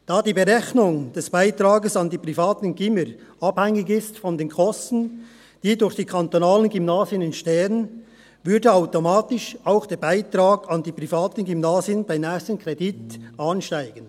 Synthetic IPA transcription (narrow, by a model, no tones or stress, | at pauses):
d̥aːdiːbəʁɛçnʊŋd̥ɛsb̥aɪtraːɡəsɑndiːpr̥ifaːtn̩ɡɪməɾʔɑb̥hɛŋɪɡɪstfɔndeːnkʰɔstn̩ | d̥iːdʊɾçd̥iːkʰantonaːlənɡymnaːzjənɪnʃtɛːən | vʏɐdəaʊtomaːtɪʃaʊxd̥eːbaɪtraːɡɑndiːpr̥ifaːtn̩ɡymnaːzjənbaɪnɛːstənkrɛditʔɑːnʃtaɪɡ̥ən